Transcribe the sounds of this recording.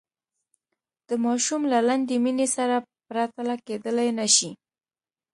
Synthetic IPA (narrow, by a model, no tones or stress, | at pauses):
d̪̥əmɑʃumlaland̪eminesaɾapɾat̪alaked̪əlajnaʃi